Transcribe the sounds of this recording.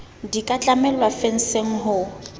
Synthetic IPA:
dikʼat͡ɬʼamɛlwafen̩seŋ̩ɦʊ

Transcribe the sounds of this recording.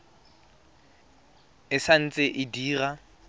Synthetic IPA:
ɪsan̩t͡sʼɪʔɪdiːra

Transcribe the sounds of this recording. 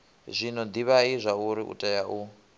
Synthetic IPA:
zʷinɔnd̪iβaizʷauɾiʔṵtʼajaʔu

